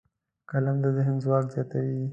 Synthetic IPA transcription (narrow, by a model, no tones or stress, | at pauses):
kalamd̪əd̪əɦɪmzwɑːkzɑt̪awi